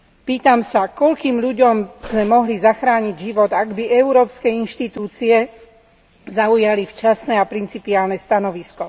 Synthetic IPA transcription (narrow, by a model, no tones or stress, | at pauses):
piːt̪amsakɔʎkiːmʎuɟɔmz̥mɛmɔɦlizaxɾaːɲiɟʒiʋɔd̪aɡbiʔɛuɾɔːpskɛinʃt̪it̪uːt͡siɛ | zaujalift͡ʃasnɛapɾint͡sipiaːlnɛst̪anɔʋiskɔ